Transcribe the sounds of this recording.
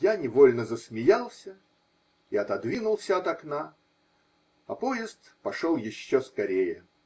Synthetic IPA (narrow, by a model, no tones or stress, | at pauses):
janʲɪvolʲnəzəsmʲɪjalˠsʲə | iɐt̪ɐd̪vʲinʊlˠsʲəɐt̪ɐkna | ɐpo̞jɪst̪pɐʂolˠjɪɕːoskɐɾʲejə